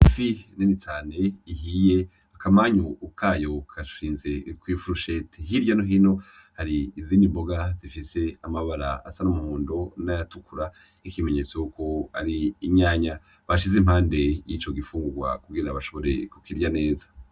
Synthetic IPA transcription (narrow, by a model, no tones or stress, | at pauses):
ifininit͡ʃaːne̞ihije̞ | akamaɲuːkʰaːjo̞kʰaʃiːnze̞kwifuɾoʃeteɦiɾjanoɦino̞ | haɾiːziːndimbo̞ɡazifise̞amaβaɾa̰a̰sanumuhuːndo̞najatukuɾa | ikime̞ɲe̞t͡sojuko̞a̰ɾiːɲaːɲa | βaʃizimhaːnde̞jit͡ʃo̞ɡifuːŋɡuɡwa̰kuɡiɾaβaʃo̞βo̞ɾe̞̰kukiɾjane̞ːzḁ